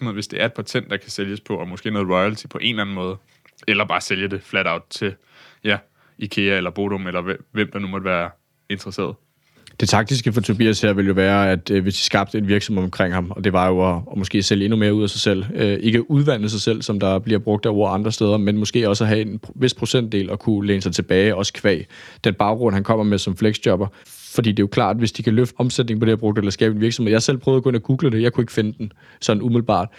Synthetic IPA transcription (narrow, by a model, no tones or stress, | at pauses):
nð̩ˠʋe̝sd̥e̝æɐe̝d̥pʰæt͡sʰen̰d̥ɑ̈kʰæseljəspʰɒ̽ʔɒmɔ̽sɡ̥e̝̰ːnɔ̽ːð̩ˠʁɒɪælt͡sʰi̥pʰɒ̽ʔe̝nlæn̩mɔ̽ːð̞̩ˠ | elɐb̥ɑ̈ːseljəd̥e̝flæɾ̥äʊ̰d̥̚t͡sʰe̝l | jæ | ikʰe̝æelɐb̥o̝ɾ̥omelɐʋem̰d̥ɑ̈numɒd̥ʋæːɐ | e̝nd̥ʁɐse̝̰ɐð̞̩ˠ | d̥e̝t͡sʰɑ̈ɡ̥̚d̥isɡ̥əfɒ̽t͡sʰo̝bḭːæsheɐ̰ʋe̝ljo̝ʋæːɐæd̥ʋe̝sd̥i̥sɡ̥ɑ̈b̥̚d̥əe̝d̥ʋiɐɡ̥sɒ̽mheɒmkʰʁeŋ̰hɑ̈mɒ̽d̥e̝ʋɑ̈jo̝ɒmɔ̽sɡ̥e̝̰ːseljəe̝nume̝ːɐuð̰ˠæsɑ̈ɪsel̰øʔe̝ɡ̥əʔuðˠʋæn̰̩s̬ɑ̈ɪsel̰sɒ̽md̥ɑ̈b̥liɐb̥ʁɔ̽ɡ̥̚d̥ɒʊ̰ɐɑ̈nd̥ʁɐsd̥eːð̞ˠɐmenmɔ̽sɡ̥e̝̰ːɒ̽sæɦæe̝nʋe̝sd̥pʰʁo̝sen̰d̥e̝̰ːlɒ̽kʰuleːnəsɑ̈ɪt͡sʰe̝b̥ɛːɪɒ̽sə̥kʰʋɛ̰ːɪd̥enb̥ɑ̈ʊɡʁɔ̽n̰ɦænkʰɒ̽m̰ɐmesɒ̽mfleɡ̥sd̥jɒ̽b̥ɐ | fɒdḭːd̥e̝jokʰlɑ̰̈ːd̥ʋe̝sd̥ikʰæløfd̥ɒ̽msed̥̚ne̝ŋpʰɒ̽ɾejɑb̥ʁɔ̽ɡ̥d̥əelɐsɡ̥ɛːb̥eniɐɡ̥sm̩eð̰ˠjɑ̈hɑsel̰pʰœʊðˠkɔ̽enæɡ̥uːɡ̥ləd̥e̝jɑ̈ɪkʰue̝ɡ̥ə̥fe̝nəd̥en | sɒ̽d̥n̩umiðˠlˠb̥ɑ̰̈ːd̥